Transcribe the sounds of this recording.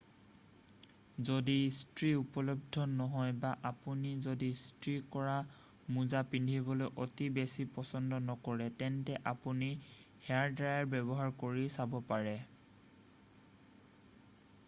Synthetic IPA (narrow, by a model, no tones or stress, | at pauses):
zodistɹiupɔlɔb̚dʱɔnɔɦɔjbaʔapunizodistɹikɔɹa | muzapindʱibɔlojʔotibesipɔsɔndɔnɔkɔɹɛtɛntɛʔapunihɛaɹdɹajaɹbɛbɔɦaɹkoɹisabɔpaɹɛ